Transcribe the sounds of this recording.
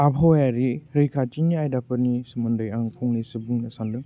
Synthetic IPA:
abʰʱɔjaɾiɾɯjkʰat͡ʃiniajdapɯnisɯmɯndɯjaŋpʰuŋnisɯbuŋnɐsanlɯŋ

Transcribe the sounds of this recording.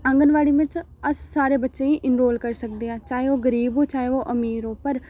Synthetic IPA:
ə̃ŋɡənʋaːɽiːʋɪ̃t͡ʃ | əsːaːɾeːbətːʃẽːiːʔɪnɾoːlkəɾsək̚d̪eːãːt͡ʃaːeoːɡəɾiːboːt͡ʃaːeoːʔəmiːɾoːpəɾ

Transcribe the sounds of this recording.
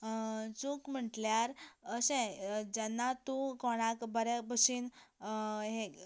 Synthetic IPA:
t͡sukm̤əʈljaɾəsẽd͡ʑɛnːat̪ũkɔɽ̃akbəɾebəɕiːn | ɦe

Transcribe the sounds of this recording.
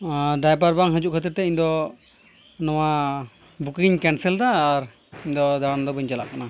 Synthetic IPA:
ɖajpaɾbaŋɦəd͡ʒuʔkʰət̪iɾt̪ɛiɲd̪ɔ | nɔwa | bukiɲkɛnsɛld̪aːɾ | iɲd̪ɔd̪aɽand̪ɔbəɲt͡ʃala̰ʔkana

